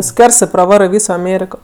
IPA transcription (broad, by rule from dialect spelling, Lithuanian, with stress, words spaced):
ˈskʋʲɛrsɜ prɐˈʋɑːrɜ ˈʋʲiːsoː ɐˈmʲeːrʲɪkoː